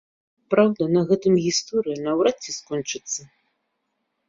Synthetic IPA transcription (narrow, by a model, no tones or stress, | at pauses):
pɾawd̪ɐnɐɣɛt̪ɨmɣʲist̪ɔɾɨjinɐwɾat͡sʲːɛskɔnt͡ʂɨt̪sːɐ